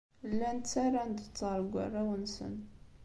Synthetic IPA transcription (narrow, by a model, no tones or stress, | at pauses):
lːænt͡sːaɾand̪ət̪ˤːɑɾˤɡʷa̰rˤːawənsə̰n